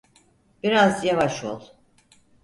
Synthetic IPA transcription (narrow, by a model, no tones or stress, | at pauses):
b̥iɾazjavaʃo̞̰lˠ